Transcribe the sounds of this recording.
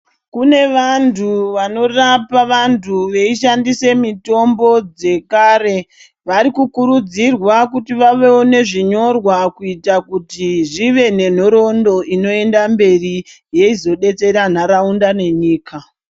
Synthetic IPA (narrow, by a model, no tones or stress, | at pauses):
kune̞ʋantuʋano̞rapaʋantʰuʋe̞iʃandise̞mito̞mbo̞d͡ze̞kaːɾe̞ | ʋaɾikukuɾud͡zirwakutiʋaʋe̞one̞ʐiɲo̞rwakuitakutiʐiʋe̞ne̞n̤o̞ɾo̞ndo̞ʔino̞e̞ndambe̞ri | je̞izo̞ɗe̞t͡se̞ɾan̤aɾaundane̞ɲiːka